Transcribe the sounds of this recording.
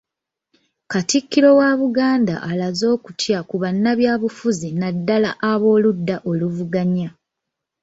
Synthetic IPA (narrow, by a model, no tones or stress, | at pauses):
katikːiɾo̞waβuɡaːnda̰ʔalazo̞ːkutʰjakuβanːaβjaːβufuzinadːalaʔaβo̞ːludːaʔo̞luvuɡaɲa